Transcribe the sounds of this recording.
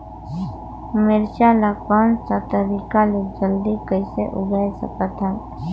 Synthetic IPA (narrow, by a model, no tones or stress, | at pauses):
meɾʃalapansat̪əɾikaled͡ʒəld̪ikəɪseʔʊɡajsə̰kət̪ɦɛ